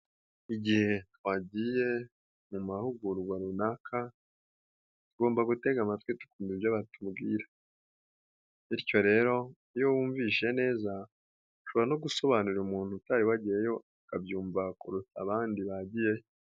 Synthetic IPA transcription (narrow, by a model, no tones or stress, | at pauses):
iɟihe̞twaɟiːje̞ | mumahuɡuɾɡwaɾunakʰa | tuɡo̞ːmbaɡute̞ɡamatwitu̥kuːmbibjaβatubɡiːɾḁ | iɾco̞ɾe̞ːɾo̞ | ijo̞wuːɱviʃe̞ne̞ːza | ʃoβoɾano̞ɡuso̞βanuɾumuːn̥hutaɾiwaɟijejo̞ | kabjuːɱvakuɾut͡saβaːndiβaɟije̞j